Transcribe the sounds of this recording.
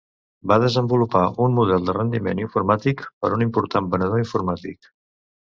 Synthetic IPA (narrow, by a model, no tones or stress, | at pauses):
baðəzəmbulupaʔunmuðɛlˠd̪ərənd̪imeniɱfuɾmat̪ikpəɾunimpuɾt̪ambənəð̞oiɱfuɾmat̪ik